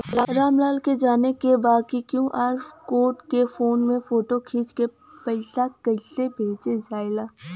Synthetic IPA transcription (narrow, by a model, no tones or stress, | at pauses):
ɾaːɾaːmlaːlked͡ʒaːnekebaːd̪̚kikjũʔaːɾfkoːʈkefoːnmẽfoːʈokʰiːt͡ʃke | pɐɪsakɐɪsebʱeːt͡ʃed͡ʒaːɪlaː